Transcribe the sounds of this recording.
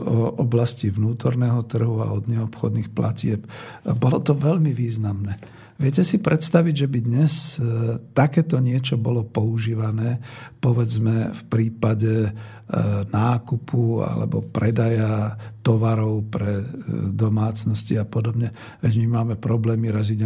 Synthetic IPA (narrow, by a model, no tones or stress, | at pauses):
ɔʔɔblasciʋnuːt̪ɔɾnɛːɦɔt̪r̩ɦua̰ɔd̪ɲɛɔpxɔd̪niːxpla̰cɪɛpbɔlɔt̪ɔʋɛʎmiʋiːznamnɛː | ʋɪɛcɛsipɾɛt̪st̪aʋiɟʒɛbid̪ɲɛs | t̪akɛːt̪ɔɲɪɛt͡ʃɔbɔlɔpɔuʒiːʋanɛːpɔʋɛd͡zmɛfpɾiːpaɟɛ | naːkupʰua̰lɛ̰bɔ̰pɾɛd̪ajat̪ɔʋaɾɔʊpɾɛd̪ɔmaːt͡snɔsciapɔd̪ɔbɲɛ | ɛɟmimaːmɛpɾɔblɛːmiɾɛzid